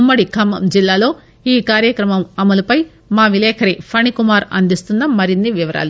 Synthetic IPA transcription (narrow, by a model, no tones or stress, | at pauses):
mːɐɽikʰɐmːɐ̰md͡ʒilːaːlo̞ː | iːkaːɾjɐkɾɐmɐmɐmɐlɐpɐj | maːʋilɛːkʰɐɾipʰɐnikumaːɾɐ̰nd̪ist̪unːɐmːɐɾinːiʋiʋɐɾa̰ːlu